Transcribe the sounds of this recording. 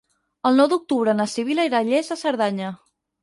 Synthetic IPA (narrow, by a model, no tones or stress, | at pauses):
əlˠnɔwðuk̚t̪uβɾənəsiβiləiɾaʎezəsəɾðaɲə